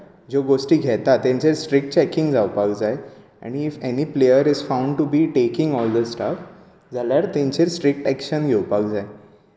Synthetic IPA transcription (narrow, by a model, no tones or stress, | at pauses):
d͡ʑoɡosʈiːɡʱɛt̪at̪ːɛ̃ɲt͡ɕeɾsʈɾik̚ʈ̚t͡ɕɛkĩŋɡd͡zawpakd͡zae | ɛ̰̃ñiːfeniplejəɾizfãũɳɖʈubiːʈekĩŋɡɔld̪əsʈaf | d͡zaljaɾt̪ẽɲt͡ɕeɾsʈɾik̚ʈɛkɕənɡʱewpakd͡zae